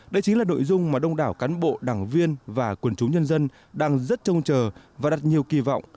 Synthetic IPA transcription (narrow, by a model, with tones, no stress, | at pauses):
ɗə˧jt͡ɕï˨˦ŋlaː˨˩no̰˧˨jzʊ˧ŋ͡mmaː˨˩ɗə˧wŋ͡mɗaː˧˩wkaː˨˦nɓo̰˧˨ɗaː˧˩ŋvi˧ənvaː˨˩kwə˧˩nt͡ɕʊ˨˦wŋ͡mɲə˧nzə˧n | ɗaː˧ŋzə˦˥t̚t͡ɕə˧wŋ͡mt͡ɕəː˨˩vaː˨˩ɗa˨˩t̚ɲi˨˩əwki˧vɔ̰˧˨wŋ͡mʔ